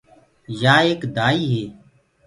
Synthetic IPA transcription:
jaːeːkd̪aːiːɦeː

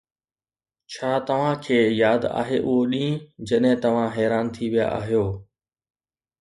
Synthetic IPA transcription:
t͡ɕʰaːt̪ɐʋ̤ãkʰeːjaːd̪a̰ːɦeʔʊɦoɗĩːd͡ʑɐɗɦɪ̃t̪ɐʋ̤ãɦɛːɾaːnt̪ʰiʋija̰ʔa̰ːɦijoː

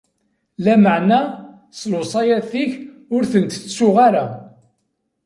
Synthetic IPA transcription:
læməʕnæ | sˤlosˤɑjæθiç | ʊɾθənt̪ːsʊʁaɾa

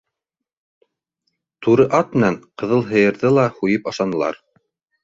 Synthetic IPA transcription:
t̪uɾɤʔɑt̪̚mɘ̆nænqɤ̆ðɤlˠɦɤ̆jɤ̆ɾðɤlˠɑhujɤpɑʃɑnɤ̆lˠɑ̰ɾ

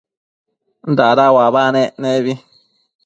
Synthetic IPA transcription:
n̩d̪aɾawaβanẽneβi

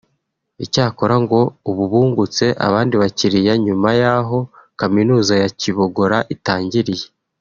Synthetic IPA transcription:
icaːko̞ɾaŋɡo̞uβuβuːŋɡut͡se̞ʔa̰βaːndiβaciɾijaɲumajaɦo̞kaminuːzajaciβo̞ɡo̞ɾaʔitaːɲɟiɾije̞

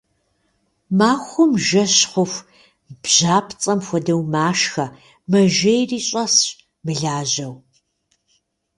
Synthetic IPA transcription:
maːxʷʊmʒɐɕχʷʊfʷ | b̥ʑ̥aːpʰt͡sʼɐmxʷɔdɐwmaːʃxɐ | mɐʒɐjriːɕʼɐs | mɨɮaːʑɐw

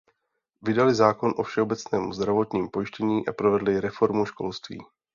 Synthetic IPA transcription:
vɪdalɪzaːko̞nʔo̞fʃɛobɛt͡snɛːmṵzd̪ɾavo̞t̪ɲiːmpo̞jɪʃcɛɲiːʔapɾovɛdlɪɾɛfo̞ɾmuʃko̞̰lst̪vḭː

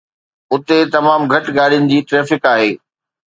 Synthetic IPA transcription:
ʊt̪et̪ɐmaːmɡʱɐʈɠaːɗijʊnɪ̆d͡ʑiːʈɾɛːfɪkaːɦeː

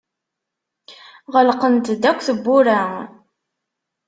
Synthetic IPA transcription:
ʁəlqənt̪d̪ækʷːθəbːʊɾæ

